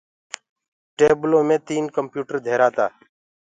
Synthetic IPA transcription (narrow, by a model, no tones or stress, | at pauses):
ʈeːblõːmẽːt̪iːnkəmpjuːʈəɾd̪ʱeːɾaːt̪aː